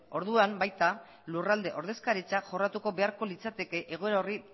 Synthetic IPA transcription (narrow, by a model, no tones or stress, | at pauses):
o̞ɾðuambajt̪a | lurald̪e̞ʔo̞ɾðe̞skaɾit͡saʝo̞rat̪uko̞be̞aɾko̞lit͡sat̪e̞ke̞ʔeɣ̞o̞e̞ɾaori